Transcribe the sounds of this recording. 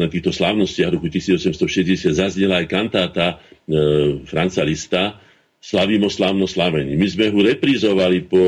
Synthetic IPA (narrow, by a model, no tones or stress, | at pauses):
nɛt̪iːxt̪ɔslaʊnɔscɪaɣɾɔkucisiːd͡zɔsɛmst̪ɔʃɛzɟɛsɪad̪zazɲɛlaajkant̪aːt̪a | fɾant͡salist̪a | slaʋiːmɔslaʊnɔslaʋɛɲimizmɛɦuɾɛpɾizɔʋalipɔ